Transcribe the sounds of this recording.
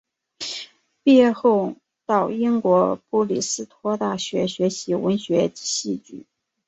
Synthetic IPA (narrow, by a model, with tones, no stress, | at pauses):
pjɛ˥˧xo˥˧ʊ | t̪ɑ˥˩ʊi˥ŋkwɔ˧˥pu˥˩li˨˩sɹ̩˥t̪ʰwɔ˥t̪a˥˩ɕɥɛ˧˥ɕɥɛ˧˥ɕi˧˥wə˧˥nɕɥɛ˧˥ɕi˥˧t͡ɕy̰˥˩˦